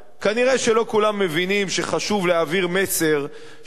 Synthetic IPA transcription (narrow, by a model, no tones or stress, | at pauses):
kaniʁeʃe̞lo̞kulamːe̞vinimʃeχaʃuvleaviʁme̞seʁ